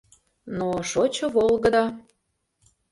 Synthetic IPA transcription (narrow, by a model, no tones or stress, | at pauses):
noʃot͡ɕɤ̆βolˠɣəd̪ɑ